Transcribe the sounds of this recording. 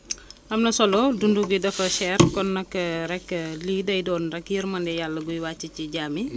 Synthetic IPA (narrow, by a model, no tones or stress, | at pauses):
ʔɐmnɐsɔlɔdunduɡidɐfɐʃɛːrkɔnːɐkːɾɛkːəliːdɐjdɔːnrɛkjirmɐndɛjalːɐɡujwaːcːiciɟaːmi